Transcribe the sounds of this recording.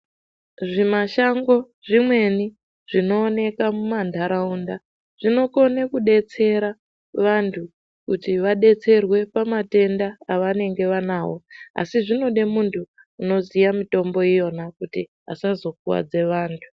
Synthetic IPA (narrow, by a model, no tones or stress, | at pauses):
ʐimaʃaŋɡo̞ | ʐimwe̞ni | ʐ̥ino̞ːne̞kamumandʱaɾaunda | ʐ̥ino̞ko̞nekuɗe̞t͡se̞ɾa | ʋantʰu | kutiʋaɗe̞t͡se̞rwe̞pamate̞ndaːʋane̞ŋɡe̞ʋanaːwo̞̰a̰siʐino̞ɗe̞muntʰuː | no̞zijamito̞mbo̞ijo̞nakutiɦa̰sazo̞kuwa̰d͡ze̞ʋaːntʰu̥